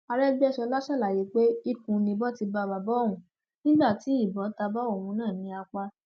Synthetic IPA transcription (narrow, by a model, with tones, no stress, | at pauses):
a˧ɾɛ˦ɡ͡bɛ˦˨ʃɔ˧la˦ʃɛ˦˨la˨je˨˦k͡pe˦i˦kũ˨˦nĩ˧bɔ˦ti˧ba˧˨ba˨bɔ˨˦o˦˨wũ˨˦ | nĩ˦ɡ͡ba˦˨ti˨˦i˦˨bɔ̃˨˦ta˧ba˦o˦˨wũ˧nãː˦˨nĩ˧a˧k͡pa˧